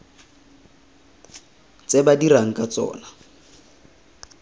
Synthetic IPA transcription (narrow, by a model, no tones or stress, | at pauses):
t͡sebadiraŋ̩kʼat͡sʼɔ̰ːna